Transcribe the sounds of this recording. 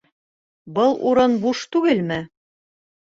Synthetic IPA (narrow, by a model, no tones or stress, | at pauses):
bɤlˠʔṵɾɤnbuʃt̪ʉɡɘlmɘ